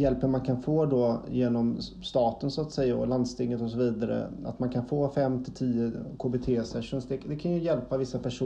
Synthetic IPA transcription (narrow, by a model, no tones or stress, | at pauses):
jɛlpːənmankʰanfoːd̪ɔjeːnɔm | st̪ɑːt̪ənsʊat̪sɛjːaɔ̰land̪st̪ɪŋːət̪ɔsɔviːd̪aɾə̰a̰t̪mankʰanfoːfɛmːt̪ʰɪlt̪ʰiːəkʰoːbɪt̪ʰeːsɛʂʊnsd̪ɛd̪ɛkʰanjɵjɛlpavɪsːapʰæʂu